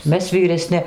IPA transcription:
ˈmʲɛs ʋʲiːrʲɛˈsʲnʲɪ

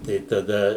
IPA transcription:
tɐɪ tɐˈdɐ

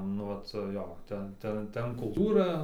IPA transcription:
nʊ ˈʋɐt ˈjoː ˈtʲɛn ˈtɐ ˈtʲɛn kʊlˠˈtuːrɐ

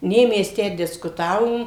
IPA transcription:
ˈnʲeː ˈmʲɛs ˈtʲæː dʲɪskʊˈtɑːʋoːm

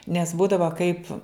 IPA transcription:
nʲɛs ˈbuːdɐʋɐ kɐɪp

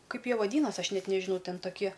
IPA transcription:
ˈkɐɪp ˈjiɛ ʋɐˈdʲiːnɐsʲ ˈɐʃ ˈnʲɛt nʲɛʒʲɪˈnɐʊ ˈtʲɛn tɐˈkʲiɛ

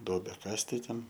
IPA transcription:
ˈduɔbʲæː ˈkɐst tɐɪ ˈtʲɛn

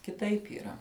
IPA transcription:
kʲɪˈtɐɪp iːˈrɐ

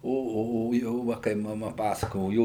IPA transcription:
oː oː ˈjoː ˈʋɐ kɐɪ mɐˈmɐ ˈpɑːsɐkoːjoː ˈjoː

